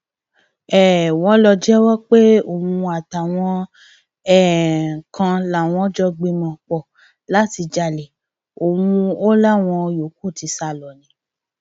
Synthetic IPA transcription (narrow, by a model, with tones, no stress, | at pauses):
ɛ˨w̃ɔ̃˨˦lɔ˧d͡ʒɛ˦wɔ˦k͡pe˦o˨mũ˧a˨ta˨w̃ɔ̃˧˦ | ɛ˦˨kã˧la˦˨w̃ɔ̃˨˦d͡ʒɔ˦ɡ͡be˧mɔ̃˧k͡pɔ˨ | la˦ti˧d͡ʒa˧˨le˨ | o˨mũ˧o˦la˦w̃ɔ̃˧jo˨˦ko˦˨ti˧˦sa˧˨lɔ˨nĩ˨˧˦